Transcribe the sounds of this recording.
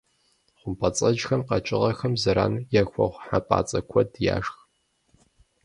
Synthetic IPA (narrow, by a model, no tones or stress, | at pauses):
χʷʊmpʰʼɐt͡sʼɐd͡ʒxɐmqɐt͡ʃʼɪʁɐxɐmzɐɾaːnjɛxʷɔ̰ʁʷħapʼa̰ːt͡sʼɐkʷʰɔdja̰ːʒx